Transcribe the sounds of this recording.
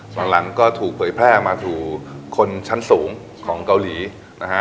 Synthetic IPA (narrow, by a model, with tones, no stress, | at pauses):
la˨˩˦ŋla˩˦ŋkɔː˥˩t̪ʰuː˨˩k̚pʰɤː˩˦jpʰɾɛː˥˩maː˧t̪ʰuː˧kʰo˧nt͡ɕʰa˦˥nsuː˩˦ŋ | kʰɔː˩˦ŋka˧wliː˩˦ | na˦˥kʰa˦˥